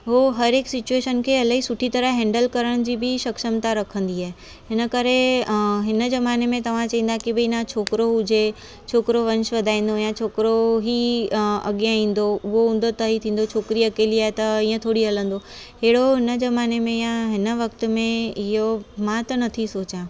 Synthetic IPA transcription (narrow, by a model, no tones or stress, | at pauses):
ɦoɦɐɾeːksɪt͡ɕueːʃənkʰeːɐlaɦisʊʈʰit̪ɐɾəɦɛ̃ːɳɖəlkɐɾəɽ̃d͡ʑiːbʱɪʃɐkʃəmt̪aɾɐkʰə̃nd̪iaːɦe | ɦɪnə̆kɐɾeɦɪnə̆zɐmaːnemẽt̪ɐʋ̤ãt͡ɕɐɦĩn̆d̪aekibʱenãt͡ɕʰoːkɾoɦʊd͡ʑe | t͡ɕʰoːkɾoʋɐ̃nʃʋɐd̪ʱaːĩːn̆d̪ojãt͡ɕʰoːkɾoɦiɐ̰ɠijãĩːn̆d̪oʊɦoʊ̃n̆d̪ot̪ɐɦit̪ʰĩːn̆d̪ot͡ɕʰoːkɪɾiɐkeːliaːet̪ɐĩːə̃t̪ʰoːɽiɦɐlə̃nd̪oɦeːɽoɦɪnəd͡ʑɐmaːnemẽjãɦɪnə̆ʋɐk̚t̪mẽɪɦomãt̪ɐnɐt̪ʰisoːt͡ɕãː